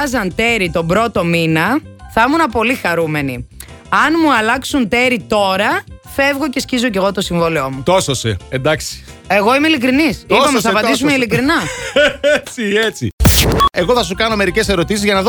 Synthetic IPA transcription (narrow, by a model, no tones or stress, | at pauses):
zɐnt̪e̞ɾit̪o̞bɾo̞t̪o̞minɐθɐmunɐpo̞lixɐɾume̞ni | ɐnmuɐlɐksunt̪e̞ɾit̪o̞ɾɐ | fe̞vɣo̞ce̞scizo̞ce̞ɣo̞t̪o̞siɱvoliomut̪ososḛend̪ɐksi̥e̞ɣo̞imeilikɾinisipɐmsɐvɐd̪is̬umeilikɾinɐet͡siet͡sḭe̞ɣo̞θɐsukɐno̞me̞ɾice̞se̞ɾo̞t̪isizʝɐnɐðo